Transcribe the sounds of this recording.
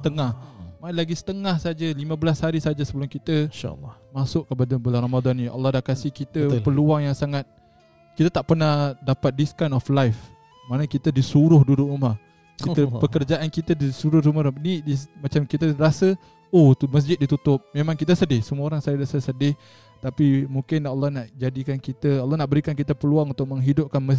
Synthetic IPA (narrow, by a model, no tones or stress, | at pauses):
sə̥t̪əŋahmaɪnlaɡisə̥t̪əŋahsad͡ʒəlimãbəlashaɾisad͡ʒasəbəlʊmkit̪əʃa̰lːmasʊʔkəpadabəlanramadɔnːĩʔa̰lːɑhdaʔkasɪhkit̪əpəluaŋjaŋsaŋat̪̚ | kit̪ət̪aʔpərnahdapat̪̚diskajnɔflajf | manəkit̪ədisuɾʊhdudʊʔɾumah | kiəpəkərd͡ʒaʔankit̪ədisuɾʊhɾumaɾunidimat͡ʃamkit̪əɾasə | ot̪uməs̬d͡ʒɪt̪̚dit̪ut̪ʊp̚memãŋkit̪̬əsədɪhsəmuoɾaŋsajadasəsədɪh | t̪apimukɪnalːɑhnaʔd͡ʒadikankit̪əalːɑhnaʔbəɾikank̬it̪əpəluaŋunt̪ʊʔ̚məŋɦidʊp̚kanməs